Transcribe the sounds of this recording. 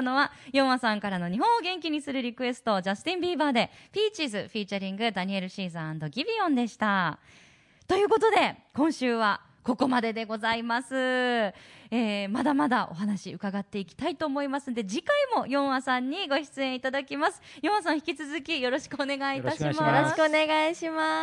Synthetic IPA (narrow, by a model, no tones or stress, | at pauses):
no̞βajõ̞ɰ̃asãŋkaɾano̞ɲ̟iɦõ̞ɰ̃oɡẽ̞ŋkʲiɲ̟isɨɾɯ̟ɾʲikɯ̟e̞sɨ̥t̪o̞d͡ʑast̪ẽmbʲiːbaːd̪e̞pʲiːt͡ɕizɨɸʲiːt͡ɕaɾʲĩŋɡɯ̟d̪aɲ̟ie̞ɾɯ̟ɕiːzɨãnd̪o̞ɡʲibʲiõ̞nd̪e̞ɕi̥t̪a | t̪o̞jɯ̟ːko̞t̪o̞d̪e̞kõ̞ɰ̃ɕɨːβa | ko̞ko̞mad̪e̞d̪e̞ɡo̞zaimasɨ | eːmad̪amad̪aʔo̞̰ɦanaɕiɯ̟kaɡat̪ːe̞ikʲi̥t̪ait̪o̞ːmo̞imasɨnd̪e̞d͡ʑikaimo̞jõ̞ɰ̃wasãɲ̟ːiɡo̞çi̥t͡sɨẽ̞ɰ̃it̪ad̪akʲimasɨ̥jõwas̬ãçi̥kʲit͡sɨzɨkʲijo̞ɾo̞ɕi̥kɯone̞ɡait̪aɕimaoɕkɯoneɡaiɕima